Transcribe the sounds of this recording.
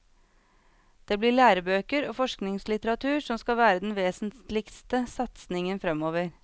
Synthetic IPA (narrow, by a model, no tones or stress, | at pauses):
d̪̥eːbliːɭæːɾəbøːkəɾoːfɔʂknɪŋslɪt̪əɾɑt̪ʰʉːʂɔmskɑʋæːɾəd̪ɛnʋeːsn̩t̪lɪkst̪əsɑt̪snɪŋənfɾɛmoːʋəɾ